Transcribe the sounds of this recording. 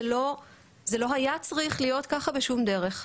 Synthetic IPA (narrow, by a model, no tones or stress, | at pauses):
lo̞ | zelo̞ɦajat͡sʁiχlijo̞t̪kaχabeʃumd̪e̞ʁe̞χ